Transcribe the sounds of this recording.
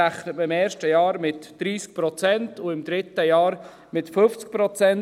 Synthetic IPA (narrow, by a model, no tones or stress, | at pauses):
aχnətməɪmɛːɾʃtəjɑːɾmɪtd̥ɾiːsk̚pɾɔt͡sɛntʊɪmd̪ɾɪtəjɑːɾ | mɪtføft͡sk̚pɾɔt͡sɛn